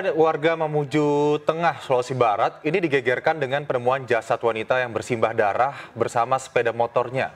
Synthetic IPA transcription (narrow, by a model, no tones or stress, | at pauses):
warɡaməmud͡ʒut̪əŋahslosibaɾat̪̚inidiɡeɡɛrkandəŋanpənəmuand͡ʒasat̪wanit̪ajaŋbərsimbahdaɾahbərsamasə̥pedamot̪ɔrɲa